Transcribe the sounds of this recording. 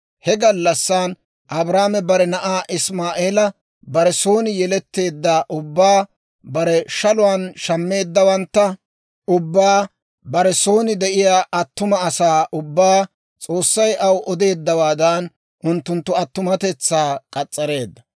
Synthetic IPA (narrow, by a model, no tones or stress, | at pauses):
hɛɡɐlːɐsːan | ʔɐbɾaːmɛbɐɾɛnɐʔaːʔɪsmaːʔe̞ːlɐ | bɐɾɛso̞ːnɪjɛlɛt̪ːe̞ːd̪ːaʔʊbːaː | bɐɾɛʃɐlʊwanʃɐmːe̞ːd̪ːɐwɐnt̪ːɐ | ʔʊbːaː | bɐɾɛso̞ːnɪd̪ɛʔɪjaːʔɐt̪ːʊmɐːsaːʔʊbːaː | t͡sʼo̞ːsːɐjʔɐwʔɔd̪e̞ːd̪ːɐwaːd̪an | ʔʊnt̪ːʊnt̪ːʊɐt̪ːʊmɐt̪ɛt͡sːaːkʼɐt͡sʼːɐɾe̞ːd̪ːɐ